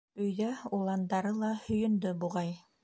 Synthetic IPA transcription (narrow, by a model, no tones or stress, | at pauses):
ɵ̆jðæulˠɑnd̪ɑɾɤlˠɑhɵ̆jɵ̆nd̪ɵbuʁɑj